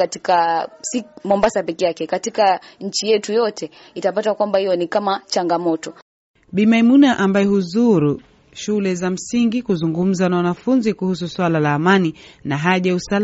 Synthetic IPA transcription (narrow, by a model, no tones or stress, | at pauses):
katikasimɔmbasapɛkɛjakɛkatikaɲ̩t͡ʃijɛtujɔtʰɛ | itapatakwambahijɔnikamat͡ʃaŋɡamɔtɔ | ɓimaimunaʔambajɛɦuzuɾu | ʃulɛzam̩siŋɡikuzuŋɡum̩zanawanafunzikuhus̬uswalalaːmaninaɦaʄausal